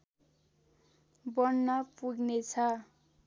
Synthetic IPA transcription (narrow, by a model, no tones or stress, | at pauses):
bʌnnʌpuɡnet͡sʰʌ